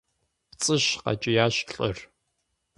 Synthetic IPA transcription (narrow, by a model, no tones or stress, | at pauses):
t͡sʼɨɕqɑ̰t͡ʃʼɪjaːɕɬʼɐr